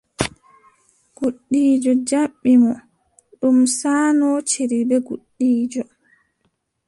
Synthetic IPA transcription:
ɡ̥uɗːiːd͡ʒɔd͡ʒaɓːimɔ | ɗumsaːnɔt͡ʃeɾibɛɡuɗːiːd͡ʒɔ

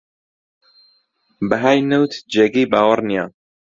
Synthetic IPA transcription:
bəɦaːjnəwt̪d͡ʒɛɡiːbaːwəɾnija̰ː

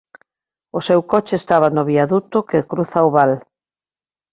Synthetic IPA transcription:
ʊsewkɔt͡ʃeːst̪aβ̞anʊβiaðut̪ʊkekɾuθaoβal

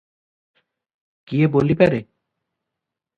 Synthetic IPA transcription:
kiebolipɛɾe

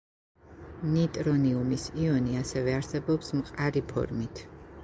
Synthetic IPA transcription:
nit̪ʼɾɔniumisiɔniasɛvɛaɾsɛbɔpsmqʼaɾipʰɔ̰ɾmit̪ʰ

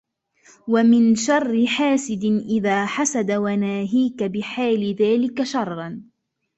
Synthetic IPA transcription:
wamɪnʃɑrˤːɪħaːsɪd̪ɪnʔɪðaːħasad̪awanaːɦiːkabɪħaːlɪðaːlɪkaʃɑrˤːɑn

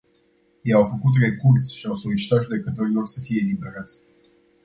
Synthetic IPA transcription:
jejawfəkut̪̬re̞kursʃiawso̞lit͡ʃi̥t̪at̪ʒud̪e̞kət̪o̞ɾilo̞rsəfije̞ːlibe̞ɾat̪sʲ

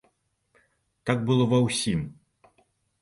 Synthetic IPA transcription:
t̪aɡ̚bɨlˠɔvawsʲim

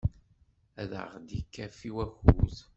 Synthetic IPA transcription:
æðə̰ʁd̪ikːæfiwæçuð

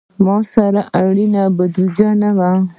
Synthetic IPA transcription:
mɑsaɾaʔaɽinabəd̪ud͡ʒanawa

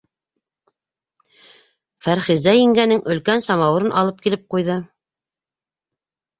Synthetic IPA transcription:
fæɾχizæjĭŋɡænɘŋɵ̆lkænsɑmɑwɤ̆ɾɤnʔɑ̰lˠɤp̚kilɘp̚qujðɤ

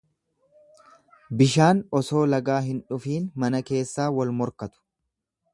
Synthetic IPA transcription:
bɪʃaːnɔso̞ːlɐɡaːɦɪnᶑʊfiːnmɐnɐke̞ːsːaːwɐlmɔɾkɐt̪ʊ̥

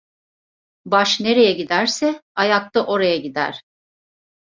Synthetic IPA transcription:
baʃne̞ɾe̞jɛɟid̪æɾsɛajak̚t̪aʔo̞ɾajaɟid̪æ̰ɾ̥

